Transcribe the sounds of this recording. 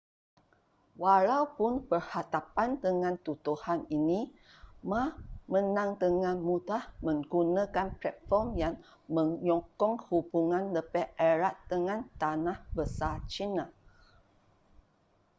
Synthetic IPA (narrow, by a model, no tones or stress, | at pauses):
walawpʊnpərhat̪apandəŋãnt̪ut̪uhanini | mãmə̃nãŋd̪əŋãnmudahmə̃ŋɡunãkanplɛt̪̚fɔrmjaŋ | mə̃ŋjɔkɔŋhubuŋãnləpɛəɾaʔd̪əŋãnt̪anahbəsat͡ʃina